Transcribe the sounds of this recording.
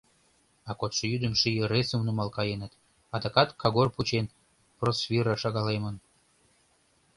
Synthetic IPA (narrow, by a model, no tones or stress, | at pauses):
ɑkot̪ʃəjyd̪əmʃijəɾet͡səmnumɑlkɑjenət̪ | ɑd̪ɑkɑt̪kʰɑɣorput͡ɕen | prosvʲiɾɑʃɑɣɑlemən